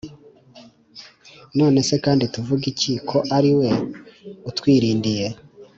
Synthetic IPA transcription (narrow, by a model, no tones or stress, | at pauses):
no̞ːne̞se̞kaːndituvuɡicikʰo̞ʔaɾiwe̞ | utwiːɾiːndije̞